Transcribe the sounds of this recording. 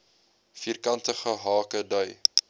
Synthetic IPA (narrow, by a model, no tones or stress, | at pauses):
fiːrkɐntəχəɦɑːkədœj